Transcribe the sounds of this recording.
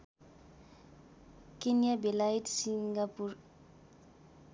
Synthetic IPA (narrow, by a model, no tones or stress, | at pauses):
kenijabelaitsiŋɡapur